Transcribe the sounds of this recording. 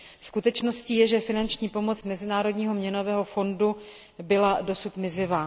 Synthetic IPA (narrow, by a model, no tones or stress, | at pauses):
skut̪ɛt͡ʃno̞sciːjɛʒɛfɪnant͡ʃɲiːpo̞mo̞t͡smɛzɪnaːɾo̞dɲiːɦo̞mɲɛno̞vɛːɦo̞fo̞ndu | bɪlado̞sut̪mɪzɪvaː